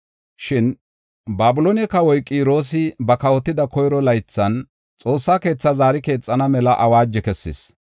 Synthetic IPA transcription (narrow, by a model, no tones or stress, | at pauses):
ʃɪn | baːbʊlonɛkɐwɔjkʼiːɾo̞ːs̬ɪbɐkɐwɔt̪ːɪd̪ɐkɔjɾɔlɐjt͡sːɐn | t͡sʼo̞ːsːaːke̞ːt͡sːazaːɾɪke̞ːt͡sʼːɐnɐmɛlɐʔɐwaːd͡ʒːɛkɛsːɪ̰s